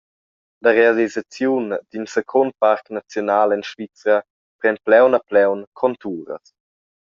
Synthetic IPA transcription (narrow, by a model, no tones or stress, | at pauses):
laɾealizat͡sjund̪̥insekʰont̪̚paɾknat͡sjonaːlɛnʃvit͡sɐ | pɾɛnplɛwnaplɛwnkʰɔnt̪uːɾə̰s